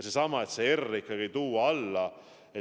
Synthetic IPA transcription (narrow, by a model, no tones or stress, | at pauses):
sesɑmɑet̪seerːikːˑɑɡit̪uːɑlːɑ | e